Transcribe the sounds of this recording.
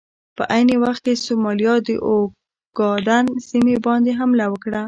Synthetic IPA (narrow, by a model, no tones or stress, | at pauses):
pəʔajnewaxt̪̚kesomɑlijɑd̪ə̰ʔo | ɡ̥ɑd̪ansimebɑnd̪eɦamlawəkɽa